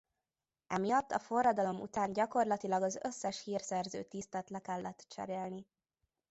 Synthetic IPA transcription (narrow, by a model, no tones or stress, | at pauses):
ʔɛmijɒt̪ːɒfo̞rːɒd̪ɒlo̞mṵt̪aːnɟɒko̞rlɒt̪ilɒɡɒzøsːɛʃhiːrsɛrzø̰ːt̪ist̪ɛt̪lɛkɛlːɛt̪ːt͡ʃɛ̰ɾeːlni